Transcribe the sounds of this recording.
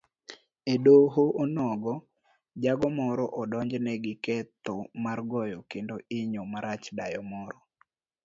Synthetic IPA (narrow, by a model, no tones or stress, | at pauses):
edoɦoʔonɔɡɔ | d͡ʒaɡɔmɔɾɔʔɔdɔɲd͡ʒnɛɡɪkɛt̪omarɡɔjɔkendoʔɪɲomaɾat͡ʃdajɔmɔɾɔ